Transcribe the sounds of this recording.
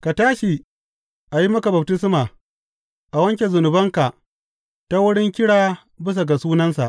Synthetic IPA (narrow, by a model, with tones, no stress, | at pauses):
ka˨taː˦ʃi˨ | ʔa˨ji˦mɐ˦ka˨bɐ˨b̚tɪ˦s̬maː˨ | ʔa˨wɐ˦ŋkʲe˨zʊ˨nʊ˨bɐ˦ŋka˨ʔ | ta˦wʊ˦ɽɪ˦ŋkʲɪ˦ɽaː˨ | bɪ˦s̬a˨ɡa˨suː˦nɐ˦nsa̰˨ʔ